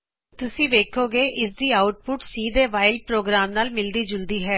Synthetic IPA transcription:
t̪ʊsĩːʋeːkʰoːɡeːʔɪs̬d̪iːaːʊʈ̚pʊʈsiːd̪eːʋaːɪlpɾoːɡɾaːmnaːlmɪld̪iːd͡ʒʊld̪iːɦɛː

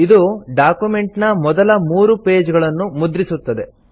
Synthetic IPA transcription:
id̪uɖaːkjume̞ɳʈnɐmɔd̪ɐlɐmuːɾupe̞ːd͡ʒɡɐɭɐnːumud̪ɾisut̪ːɐd̪e̞

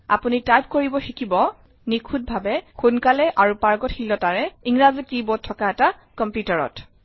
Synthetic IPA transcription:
a̰punitajp̚koɹibɔxikibɔ | nikʰut̚bʱabɛxunkalɛʔaɹupaɹɡɔtxilɔtaɹɛiŋɹazitibɔt̚tʰːɔkaɛta | kɔmpjutaɹɔ̰t

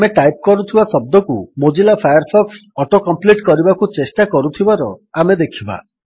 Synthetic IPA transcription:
ameʈajp̚kɔɾut̪ʰibasɔb̚d̪ɔkumod͡ʒilapʰajaɾpʰɔksɔʈokɔmpliʈkɔɾibakut͡ʃesʈakɔɾut̪ʰibaɾɔamed̪ekʰiba̰

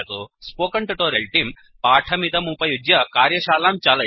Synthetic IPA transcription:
t̪ospoːkɐɳʈuʈoːɾelʈim | paːʈʰɐmit̪ɐmuːpɐjud͡ʒjɐkaːɾjɐɕaːlaːmt͡ʃalɐ

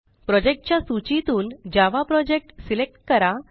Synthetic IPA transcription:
pɾɔd͡ʑek̚ʈ̚t͡ɕjasut͡ɕit̪uːnd͡ʑaʋapɾɔd͡ʑek̚ʈsilek̚ʈkəɾa

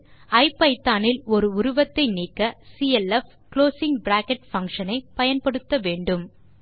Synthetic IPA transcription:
ɐɪpːɐɪt̪ːaːnɪlɔɾɯʊɾʊʋɐt̪ːɐɪniːkːɐsiːɛlɛf | kloːsɪŋbɾaːkɛʈ̚fɐŋkʂɐnɐɪpɐjɐnpɐɽɯt̪ːɐʋeːɳɖɯm

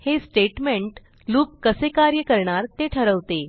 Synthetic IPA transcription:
hesʈeʈmeɳʈ | luːkkːəsekaɾjəkəɾɳaɾt̪eʈʰəɾəʋt̪e

